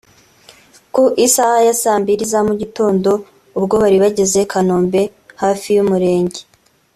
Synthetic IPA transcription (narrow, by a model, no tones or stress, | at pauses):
koʔisahajasaːmbiɾizamuɟito̞ːndo̞ | ubɡo̞βaɾiβaɟeze̞kʰanoːmbe̞haːfijumuɾe̞ːɲɟe